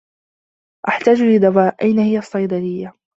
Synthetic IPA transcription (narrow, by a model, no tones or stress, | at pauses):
ʔaħt̪aːd͡ʒlɪd̪awaːʔʔajnahɪjasˤːɑjd̪ɑlɪjːa